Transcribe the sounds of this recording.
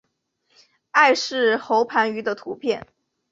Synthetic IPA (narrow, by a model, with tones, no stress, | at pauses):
a˥˧ɪʂɻ̩˥˩xo˧˥ʊpʰa˧˥ny˧˥d̪ə˧t̪ʰu˧˥pʰjɛ˥˩n